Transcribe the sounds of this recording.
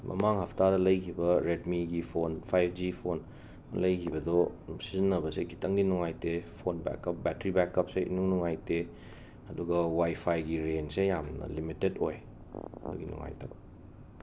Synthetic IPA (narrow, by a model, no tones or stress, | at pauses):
mʔɐ̰maŋhɐpʰɐtadɐlɐjkʰibɐɾedmiɡipʰonpʰajpʰd͡ʒipʰon | lɐjkʰibɐdɔsizinːɐbɐsekʰitɐŋdinuŋajtepʰonbɛ̰kːɐp̚bɛtɾibɛkːɐp̚seʔḭnuŋnuŋajte | ɐduɡɐwajpʰajɡiɾensejamnɐ̰limitedoj | ɐ̰dṵɡinṵŋa̰jtʰɐ̰k